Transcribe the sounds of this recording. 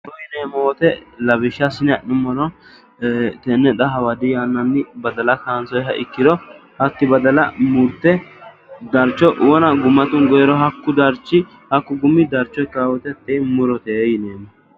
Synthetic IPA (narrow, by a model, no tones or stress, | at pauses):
t̪ɔjɪneːmɔwɔt̪ɛlɐbɪʃːɐsɪnɛʔʊmɔlɔ | t̪ɛnːɛd̪ɐɦɐwɐd̪ɪjanːɐnːɪbɐd̪ɐlɐkaːnsɔjɦɐʔɪkːɪd̪ɔhɐt̪ːɪbɐd̪ɐlɐmʊɾt̪ːɛ | d̪ɐɾt͡ʃːɔʔwɔnɐɡʊmːɐt̪ʊnɡɔjɛɾɔɦɐkːʊd̪ɐɾt͡ʃːɪ | hɐkːʊɡʊmːɪd̪ɐɾt͡ʃːɔjkːaːwɔt̪ɛt̪ʼːeːmʊɾɔt̪ɛjneːmɔ